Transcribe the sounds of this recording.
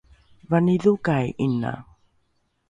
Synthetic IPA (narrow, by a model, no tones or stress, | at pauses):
vaniðukajʔina̰